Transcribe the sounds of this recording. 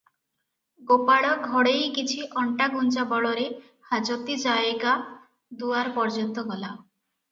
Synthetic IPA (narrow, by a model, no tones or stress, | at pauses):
ɡopaɽɔɡʱɔɽejkit͡ʃʰiʔɔɳʈaɡunt͡ʃabɔɭɔɾe | had͡ʒot̪id͡ʒaeɡa | d̪uaɾpɔɾd͡ʒɔnt̪ɔɡɔla